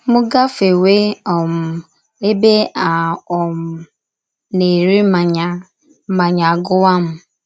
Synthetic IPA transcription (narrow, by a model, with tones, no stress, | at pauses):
mʊ˦ɡa˦fe˨we˦ɔ˨m̩˨ | e˦be˦a˨ɔ˨m̩˨ | ne˨ɾi˦ma˨ɲa˦ | ma˨ɲa˨ɡʊ˦wa˦m̩˨